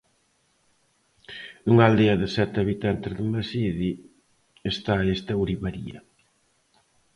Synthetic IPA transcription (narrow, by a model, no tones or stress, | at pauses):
uŋald̪eɐðɪsɛt̪aβit̪ant̪ɪzðɪmasiði | est̪aest̪ɐuɾiβaɾḭɐ̰